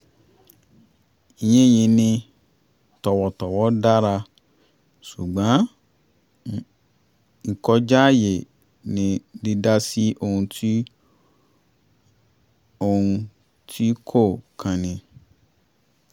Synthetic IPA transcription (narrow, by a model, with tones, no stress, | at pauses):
i˧jẽ˦˨jĩ˧nĩ˧ | tɔ˨wɔ˨tɔ˨wɔ˨˦da˦ɾa˧ | ʃu˨ɡ͡bã˨˦ | i˨kɔ˧d͡ʒa˦˨je˨ | nĩ˨di˧da˦si˦ʔo˧ũ˧tʰi˦ | o˧ũ˧ | tʰi˦kʰo˦˨kʰã˨nĩ˨